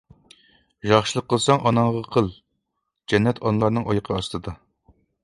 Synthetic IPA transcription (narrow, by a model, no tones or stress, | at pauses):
ʒɑχʃɨlˠəqʰːəlˠsɑŋʔɑnɑŋʁɑqʰəlˠ | d͡ʒɛnːɛt̪ʰɑnlˠɑɾnɨŋɑjɨqʰəɑst̪ɨd̪ɑ